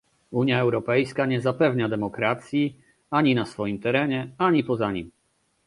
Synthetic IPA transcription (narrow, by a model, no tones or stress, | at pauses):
uɲjaɛwɾɔpɛjskaɲɛzapɛvɲad̪ɛmɔkɾat̪sʲji | aɲinasfɔjimt̪ɛɾɛɲɛaɲipɔzaɲḭm